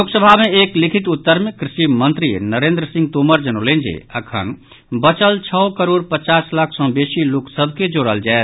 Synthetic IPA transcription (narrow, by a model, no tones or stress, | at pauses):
oːksəbʱamẽeːklɪkʰɪt̪ʊt̪ːəɾməkɾɪʃimə̃nt̪ɾinəɾẽːnd̪ɾəsɪ̃ŋɡ̚t̪oməɾd͡ʒənolẽːnd͡ʒḛə̰kʰə̰n | bət͡ʃəlt͡ʃʰəːkəɾoːɽpət͡ʃaːslakʰsɔ̃beːsiloːksəbʱked͡ʒoːɽəld͡ʒaːe